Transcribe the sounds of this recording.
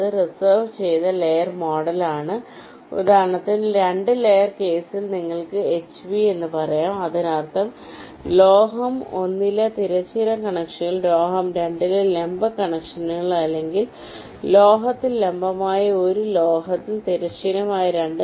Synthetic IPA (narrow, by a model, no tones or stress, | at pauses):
ɐðɨrisɐrʋt͡ɕe̞jt̪ɐlejɐrmoːɽɐlaːɳɨ | ṵd̪ʱaːɾɐɳɐt̪ːinɾe̞ɳɖɨlejɐrke̞ːsilniŋːɐɭkɨet͡ɕːʋie̞nːɨpɐrɐjaːmɐðinart̪ʰɐm | loːɦɐmo̞nːilːɐt̪iɾɐt͡ɕːiɾɐkɐɳɐkʂiɣɐɭloːɦɐmɾe̞ɳɖilɐle̞mbɐkɐɳɐkʂɐnɣɐɭɐlːe̞ŋɡil | lo̞ːɦɐt̪ːilːe̞mbɐmaːjɐo̞ɾuloːɦɐt̪ːilt̪iɾɐɕiɾɐmaːjɐɾeɳɖɨ